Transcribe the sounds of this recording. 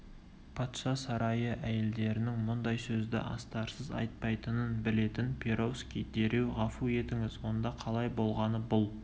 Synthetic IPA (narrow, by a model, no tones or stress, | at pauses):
pʰɑt̪ʃɑsɑɾɑjəʔæje̞ld̪e̞ɾɪnɪŋmʊnd̪ɑjsɵzd̪ɪ̰ʔɑ̰st̪ɑɾsəzɑ̰jt̪̚pɑjt̪ənənbɪle̞t̪ɪnpʲʰeɾo̞wskʲijd̪e̞ɾe̞wʁɑfue̞t̪ɪŋɪzwo̞nd̪ɑqʰɑlˠɑjbo̞lˠʁɑnəbʊlˠ